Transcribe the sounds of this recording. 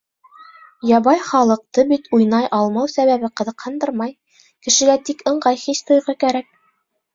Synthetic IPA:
jɑβɑjχɑlˠɤ̆q̚t̪ɤbit̪ujnɑjʔɑlˠmɑwsæβæβɘqɤ̆ðɤ̆qhɤnd̪ɤɾmɑj | kɘ̆ʃɘ̆læt̪ikɤ̆ɴɢɑjχiɕt̪ŏjʁɤkæɾæk̚

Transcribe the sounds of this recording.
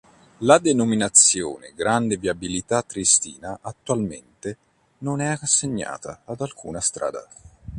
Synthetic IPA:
lad̪enominat̪sːjo̰ːneɡɾand̪eviabilit̪at̪ːɾist̪ḭːnaʔat̪ːualmḛnt̪e | nonɛaasːeɲːa̰ːt̪aːd̪alkʰuːnast̪ɾʔa̰ːd̪a̰

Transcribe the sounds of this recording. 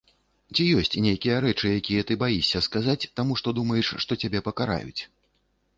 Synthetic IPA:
t͡sʲijɔsʲt͡sʲnʲejkʲijɐɾɛt͡ʂɨjakʲijɐt̪ɨbajisʲːɐskazat͡sʲt̪amuʂt̪ɔd̪umɐjɛʂʂt̪ɔt͡sʲabʲɛpɐkaɾa̰jṵt͡sʲ

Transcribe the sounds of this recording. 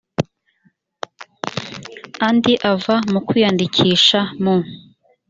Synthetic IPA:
andiʔavamukwiːjandicʰiːʃamo

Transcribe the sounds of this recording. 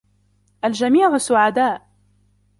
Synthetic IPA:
ʔald͡ʒamiːʕʊsʊʕad̪aːʔ

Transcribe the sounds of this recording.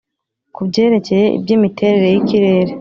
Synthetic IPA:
kubɟe̞ːɾe̞ce̞je̞ʔḭbjiːmitʰe̞ɾe̞ɾe̞jiciɾe̞ːɾe

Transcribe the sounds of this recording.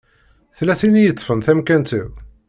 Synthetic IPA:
θlæθinijət͡s̪ˤːfənθæmkænt̪iw

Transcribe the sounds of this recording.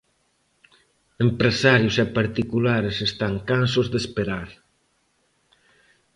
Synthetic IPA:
empɾesaɾjʊsɛpaɾt̪ikulaɾesest̪aŋkansozðespeɾaɾ

